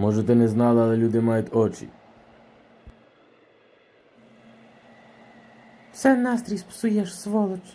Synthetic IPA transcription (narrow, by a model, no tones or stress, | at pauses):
moʒet̪eneznalaliʎuːd̪imajut̪ot͡ʃḭ | sɛnast̪ɾispsujeʃsʋolˠɔt͡ʃ